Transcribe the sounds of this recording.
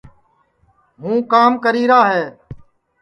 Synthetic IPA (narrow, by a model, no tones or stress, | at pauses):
ɦũːkaːmkəɾiːɾaːɦeː